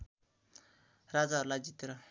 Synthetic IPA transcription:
rad͡zaɦʌɾulajd͡zit̪eɾʌ

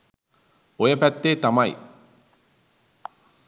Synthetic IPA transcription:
ojɐpæt̪ːeːt̪amɐj̰

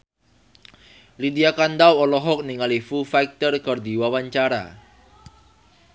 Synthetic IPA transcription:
lidiakand̪awɔlɔɦɔk̚niŋalifufaik̚t̪ərkɔrd̪iwawaɲt͡ʃaɾa̰

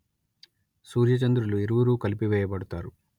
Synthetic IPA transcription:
suːɾjɐt͡ʃɐnd̪ɾulueɾuʋuɾuːkɐlipiʋɛːjɐbɐɽut̪aːɾu

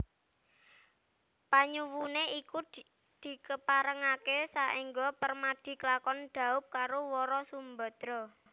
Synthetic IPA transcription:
paɲuwuneiku | d̪̥i̤kəpaɾəŋakesaʔiŋɡɔpərmaɖ̪̥i̤klakɔnɖ̪̥a̤ʊp̚kaɾowɔɾɔsumbə̤d̪̥ɾɔ

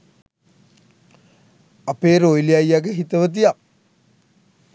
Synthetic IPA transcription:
apeːɾojlijajːaɡəɦit̪əʋət̪̬ijak

